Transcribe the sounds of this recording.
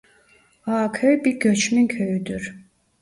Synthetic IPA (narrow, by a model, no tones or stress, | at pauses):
haːkʲʰøjbiɾɡʲøt͡ʃmyŋkʰøjyd̪yɾ